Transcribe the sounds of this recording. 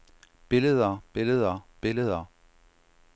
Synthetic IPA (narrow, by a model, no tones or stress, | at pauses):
b̥e̝ləðˠɐb̥eləðˠɐb̥e̝ləðˠɐ